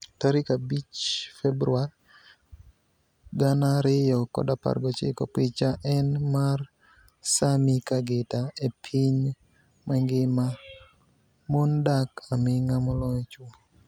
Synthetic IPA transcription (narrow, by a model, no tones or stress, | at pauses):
taɾikabit͡ʃfɛbɾuar | ɡanaɾɪjɔkɔ̰dapa̰rɡɔt͡ʃɪ̰kɔ̰pɪt͡ʃaʔɛnmar | samikaɡetaepʰiɲ | maŋɡɪma | mondakamɪŋamɔlɔt͡ʃwɔ